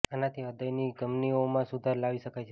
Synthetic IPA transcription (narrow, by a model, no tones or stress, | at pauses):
anat̪ʰiəd̪əjniɡəmniomãsud̪ʱaɾlaʋiʃəkajt͡ʃʰe